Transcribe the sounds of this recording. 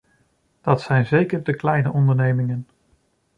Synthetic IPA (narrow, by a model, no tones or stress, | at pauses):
d̥ɑtsɛjnzejkəɹdəklɛjnəʔɔndəɹnejmɪŋən